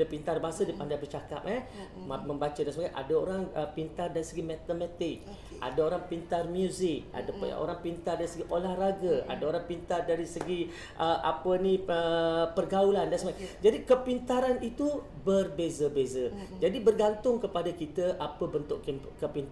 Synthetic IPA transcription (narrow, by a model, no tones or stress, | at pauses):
əpint̪arbasədipandajbərt͡ʃaka̰p̚ɛmə̃mbat͡ʃədansəbaɡajʔa̰dəoɾaŋpint̪ardaɾisəɡimat̪əmɛt̪ɪk̚ | a̰daoɾaŋpint̪armjuzɪk̚a̰də̰ʔo̰ɾaŋpint̪ardaɾisəɡiʔolahraɡəa̰daoɾaŋpint̪ardaɾisəɡi | ʔəʔa̰pənĩəpərɡaulandansəbaɡajd͡ʒadikəpint̪aɾanit̪u | bərbezəbezəd͡ʒadibərɡant̪ʊŋkəpadakit̪əʔapəbənt̪ʊʔkkəpint̪